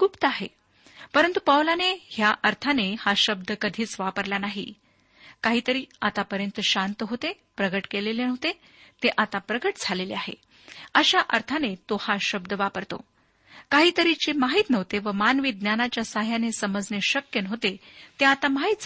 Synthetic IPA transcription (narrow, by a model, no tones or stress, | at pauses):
kuːpt̪aɦḛ | pəɾənt̪upawlanehjaʔəɾt̪ʰanehaɕəb̚d̪əkəd̪ʱiːt͡sʋapəɾlanaɦḭ | kaɦiːt̪əɾiːat̪apəɾjənt̪əɕant̪əɦot̪e | pɾəɡəʈkelelenəʋt̪e | t̪eʔat̪apɾəɡəʈd͡zʱaleleaɦḛ | əɕaʔəɾt̪ʰanet̪ohaɕəb̚d̪əʋapəɾt̪o̰ | kaɦiːt̪əɾit͡ɕemaɦiːt̪nəʋt̪eʋəmanʋid̪njanat͡ɕjasaɦjanesəməd͡zneɕəkjənəɦot̪et̪eat̪amaɦit̪t͡s